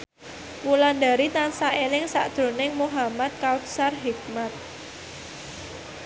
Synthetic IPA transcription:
kulandaɾit̪ansaʔelɪŋsaʔd̪̥ɾo̤nɪŋmuɦamat̪̚kawt̪sarɦik̚mat̪̚

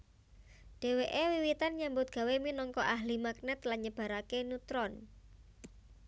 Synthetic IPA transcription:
ɖ̥e̤weʔewiwit̪anɲambʊt̪̚ɡ̥ä̤weminɔŋkɔʔaɦlimak̚nɛt̪laɲəb̥a̤ɾakenut̪ɾɔn

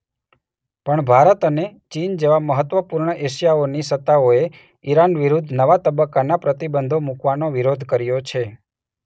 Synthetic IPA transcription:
pəɳbʱaɾət̪ənet͡ʃind͡ʒeʋaməɦət̪ʋəpuɾɳəʔeʃjaonisət̪ːaoe | iɾanʋiɾud̪ʱnəʋat̪əbəkːanapɾət̪ibənd̪ʱomukʋanoʋiɾod̪ʱkəɾjot͡ʃʰe

